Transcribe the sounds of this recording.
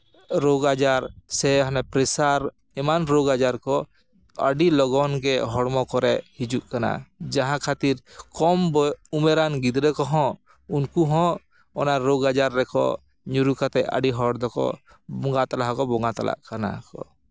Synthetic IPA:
ɾoɡad͡ʒaɾsɛɦɔnɛpɾɛsaɾ | ɛmanɾoɡad͡ʒaɾkɔ | ə̰ɖilɔɡɔnɡɛɦɔɽmɔkɔɾɛhid͡ʒuʔkana̰d͡ʒãɦãkʰat̪iɾkɔmbɔumɛɾanɡid̪ɾɛkɔɦɔ̃ | unkuɦɔ̃ | ɔnaɾoɡad͡ʒaɾːɛkɔ̰ | ɲuɾukat̪ɛʔə̰ɖiɦɔɽd̪ɔkɔ̰ | bɔŋɡat̪alaɦkɔbɔŋɡat̪a̰la̰ʔkana̰kɔ̰

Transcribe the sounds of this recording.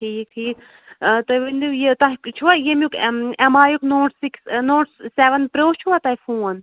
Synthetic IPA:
ʈʰiːk̚ʈʰiːk | t̪ɐʋind̪ujet̪ɐɦkt͡ʃʰuʋajemjukemaːjuknoːʈsiksnoːʈseʋɐnpɾoːht͡ʃʰuʋat̪aifʰuːɐn

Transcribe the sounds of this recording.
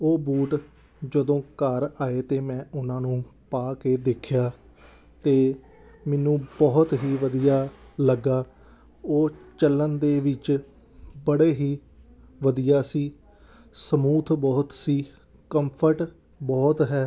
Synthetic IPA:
oːbuːʈ | d͡ʒəd̪õːkəɾaːeːt̪eːmɛ̃ːʊnãːnũːpaːkeːd̪eːkʰjaː | t̪eː | mɛːnũːbɔːt̪ɦiːʋəd̪ijaːləɡaː | oːt͡ʃəlːənd̪eːʋɪt͡ʃ | bəɽeːɦiː | ʋəd̪ijaːsiː | səmuːt̪ʰbɔːt̪siː | kəmpʰəɾʈ | bɔːt̪ɦɛː

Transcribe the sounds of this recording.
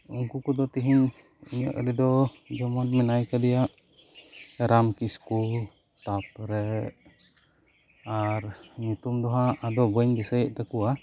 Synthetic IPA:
uŋkukudɔt̪iɦin | iɲɔ̰ʔɾidɔd͡ʒɔmanmɛnaikadijaʔ | ɾamkiskul | t̪apɾɛ | aɾɲit̪umdɔɦaʔːdɔbɔɛɲbisəiʔt̪akua

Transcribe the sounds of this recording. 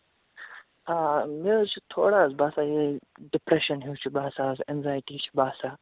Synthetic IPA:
aːmezt͡ʃʰit̪ʰoːɽaːzbaːsaːjeɖɪpɾeʃɐnɦiːt͡ʃʰibaːsaːzenzaːjʈiːt͡ʃʰi̥baːsaː

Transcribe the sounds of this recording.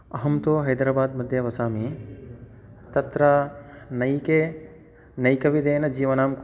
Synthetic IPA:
ɐɦɐmt̪oːɦɐjd̪ɾaːbaːd̪mɐd̪ʱjɐʋɐsaːmi | t̪ɐt̪ɾɐnɐjkeː | nɐjkɐʋid̪eːnɐd͡ʒiːʋɐnaːmk

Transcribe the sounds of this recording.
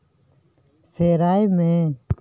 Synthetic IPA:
seːɾaːimẽː

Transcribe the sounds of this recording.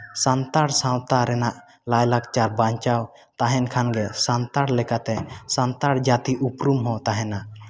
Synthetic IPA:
sant̪aɾsãwt̪aɾɛnaʔ | lajlakt͡ʃaɾbaɲt͡ʃaw | t̪aɦɛnkʰanɡɛsant̪aɽlɛkat̪ɛsant̪aɾd͡ʒat̪iʔupɾumɦɔ̃t̪aɦɛnaʔ

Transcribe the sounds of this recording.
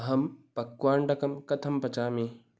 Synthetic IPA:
ɦɐmpɐkwaːɳɖɐkɐmkɐt̪ʰɐmpɐt͡ʃaːme

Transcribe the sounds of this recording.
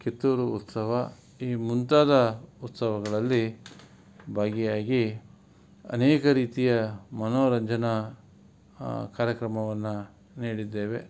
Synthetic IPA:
ket̪ːuːɾuut̪sɐʋɐ | iːmunt̪aːd̪ɐut̪sɐʋɐɡɐɭɐlːi | bʱaːɡijaːɡi | ɐ̰neːkɐɾiːt̪ijɐmɐnoːɾɐɲd͡ʒɐnɐ | kaːɾjɐkɾɐmɐʋɐnːu | niːɽid̪ːeːʋe̞̰

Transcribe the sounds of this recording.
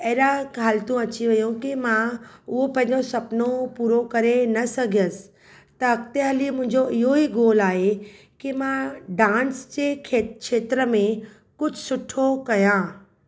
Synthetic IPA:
ɐːɾakʰaːlt̪ũɐt͡ɕiʋɐjõkimãʊɦopɐ̃ɦɪ̃ɲd͡ʑosɐpnopuːɾokɐɾenɐsɐɡʱjəsɪ̥ | t̪ɐːkt̪eɦɐlimʊ̃ɦɪ̃ɲd͡ʑoɪɦoiɡoːlaːɦe | kimãɖãːnsd͡ʑekʰekʃeːt̪ɾəmẽ | kʊd͡ʑʱsʊʈʰːokɐjã

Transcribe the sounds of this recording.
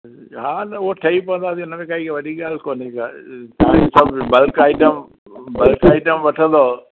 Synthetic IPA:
ɦaːnɐoʈʰɐipɐʋə̃nd̪aːt̪iʊnəmẽkaikʋɐɗiɡaːlkoːnikat̪aːĩsɐbbɐlkaːɪʈəm | bɐlkaːiʈəmʋɐʈʰə̃nd̪oː

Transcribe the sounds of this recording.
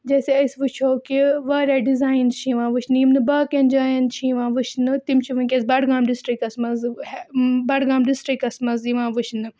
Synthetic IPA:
d͡ʒɐːseɐjsʋut͡ʃʰoːkiʋɐːɾaːɖizaːint͡ʃʰĩːʋãːʋɨt͡ʃʰnimnɨbɐːkend͡ʒaːjɐnt͡ʃʰĩːʋãːʋɨt͡ʃʰnɨt̪imt͡ʃʰiʋɨnkʲesbɐɽɡaːmɖisʈɾikɐsmɐz | bɐɽɡãːmɖisʈɾikɐsmɐziʋãːʋɨt͡ʃʰnɨ

